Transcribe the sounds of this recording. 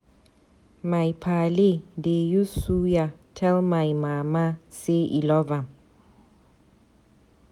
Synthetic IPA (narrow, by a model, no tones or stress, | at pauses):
majpʰalɪdejusujatʰɛlmajmamasɪʔḭlɔvam